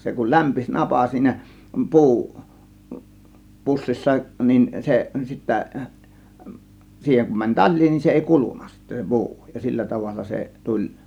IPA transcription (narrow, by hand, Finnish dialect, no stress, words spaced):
se kul læmpis nɑpɑ siːnæ pu̞u pusːisːɑ nin se sitːæ siːheŋ kum mænʲ tɑl̆ʲliː nin se eˑi kulunˑɑ sitːæ pu̞u jɑ silːæ tɑʋɑlːɑ se tulʲ